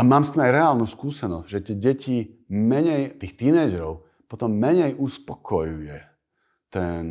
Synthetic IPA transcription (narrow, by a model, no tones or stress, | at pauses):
amaːmst̪iːmajɾɛaːlnuːskuːsɛnɔzɟʒɛt̪ɪɛɟɛcimɛɲɛjt̪iːxt̪iːnɛjd͡ʒɛɾɔʊ | pɔt̪ɔmːɛɲɛjʔuspɔkʰɔjujɛ | t̪ɛn